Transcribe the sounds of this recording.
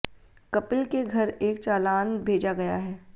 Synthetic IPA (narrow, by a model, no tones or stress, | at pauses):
kɐpəlkeɡʱɐɾeːk̚t͡ʃaːlaːnbʱeːd͡ʒaɡɐjaɦɛː